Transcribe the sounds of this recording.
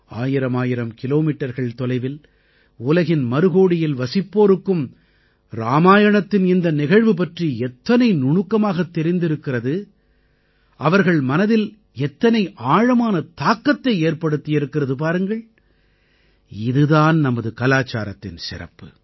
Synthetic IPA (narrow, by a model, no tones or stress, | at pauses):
a̰ːjɪɾɐmaːjɪɾɐmkɪloːmiːʈːɐɾɣɐɭt̪ɔlɐɪʋɪl | ʊlɐɣɪnmɐɾɯɣoːɽɪjɪlʋɐsɪpːoːɾɯkːɯm | ɾa̰ːmaːjɐɳɐt̪ːɪnɪnd̪ɐnɪɣɐɻʋɯp̬ɐʈriɛt̪ːɐnɐɪnʊɳʊkːɐmaːɣɐt̪ːɛɾɪnd̪ɪɾɯkːɪrɐðɯ | ʔɐʋɐɾɣɐɭmɐnɐðɪl | ɛt̪ːɐnɐɪʔaːɻɐmaːnɐt̪aːkːɐt̪ːɐɪeːɾpɐɽɯt̪ːɪjɪɾɯkːɪrɐðɯp̬aːɾɯŋɡɐɭ | ɪðɯðaːnnɐmɐðɯkɐlaːt͡ʃːa̰ːɾɐt̪ːɪnsɪ̰rɐ̰pːɯ̥